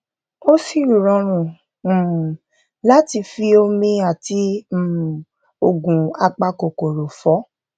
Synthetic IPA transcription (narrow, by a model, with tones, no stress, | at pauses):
o˦si˦˨ɾu˨ɾɔ̃˧ɾ̃ũ˨ | la˦ti˧fi˧o˧mĩ˧a˨ti˧˦m̩˨ | o˨ɡũ˨a˧k͡pa˧ko˨ko˨ɾo˨fɔ˨˦